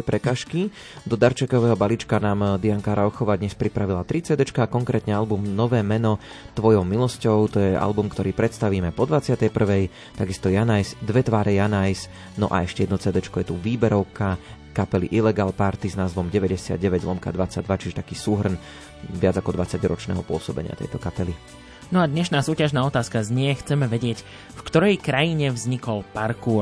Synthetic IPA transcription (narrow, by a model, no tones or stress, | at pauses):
ɛpɾɛkaːʃki | d̪ɔd̪aɾt͡ʃɛkɔʋɛːɦɔbalit͡ʃkanaːmd̪iaŋkaːɾaɔxɔʋad̪ɲɛspɾipɾaʋilat̪ɾit͡sɛːd̪ɛt͡ʃkakɔŋkɾɛːt̪ɲɛalbumnɔʋɛːmɛnɔ | t̪ʋɔjɔʊmilɔscɔʊt̪ɔjɛa̰lbumkt̪ɔɾiːpɾɛt̪st̪aʋiːmɛpɔd̪ʋat͡sɪat̪ɛjpr̩ʋɛj | t̪aɡist̪ɔjanajzd̪ʋɛt̪ʋaːɾʔɛjanajs | nɔʔa̰ɛʃcɛjɛd̪nɔt͡sɛːd̪ɛt͡ʃkɔjɛt̪uʋiːbɛɾɔʊkʰa | kapɛlḭʔilɛɡaːlpaɾt̪iznaːzʋɔmɟɛʋɛɟɛsɪa̰d̪ɟɛʋɛɟlˠɔmka̰d̪ʋat͡saɟ̚d̪ʋat͡ʃiʒɛt̪akiːsuːɦr̩n | ʋɪad͡zakɔd̪ʋat͡saɟɾɔt͡ʃnɛ̰ːɦɔpʊɔsɔbɛ̰ɲɪa̰t̪ɛ̰jt̪ɔkapɛli | nɔad̪ɲɛʃnaːsuːcaʒnaːɔt̪aːskazɲɪɛxt͡sɛmɛʋɛɟɪɛc | fkt̪ɔɾɛjkɾajiɲɛvzɲikɔlpaɾkuː